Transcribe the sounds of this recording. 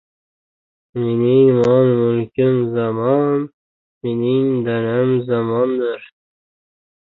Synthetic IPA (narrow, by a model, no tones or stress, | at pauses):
miniŋmɑnmulkimzamɑn | miniŋd̪anamzamɑnd̪əɾ